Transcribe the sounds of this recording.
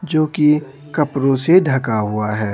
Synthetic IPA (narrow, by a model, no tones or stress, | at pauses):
d͡ʒoːki | kɐpɾõseɖʱɐkaɦʊaɦɛː